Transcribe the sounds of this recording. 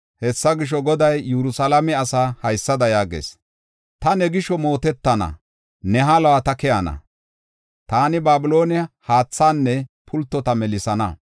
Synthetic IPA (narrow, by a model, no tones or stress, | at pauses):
hɛsːɐɡɪʃ̬ɔɡɔd̪ɐjːɛɾʊsɐlɐmɛɐsaːhɐjsːɐd̪ɐjaːɡḛːs | t̪ɐnɛɡɪʃɔmo̞ːt̪ɛt̪ːɐnɐ̰ | nɛɦalɐwat̪ɐkɛjanɐ̰ | t̪aːnɪbaːbɪlo̞ːnɪɐhaːt͡sːaːnːɛpʰʊlt̪ːɔt̪ɐmɛlɪsɐnɐ̰